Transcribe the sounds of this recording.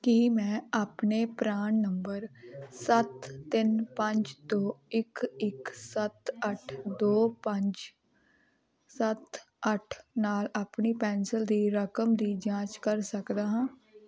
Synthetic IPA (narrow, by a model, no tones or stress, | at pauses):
kimɛ̃ːaːpneːpɾaːɳːəmbəɾsət̪ːɪnpə̃ɲd͡ʒd̪oːɪkɪksət̪əʈʰd̪oːpə̃ɲd͡ʒ | sət̪ | əʈʰnaːlaːpniːpɛːnsəld̪iːɾəkəmd̪iːd͡ʒãːt͡ʃkəɾsəkd̪aːɦãː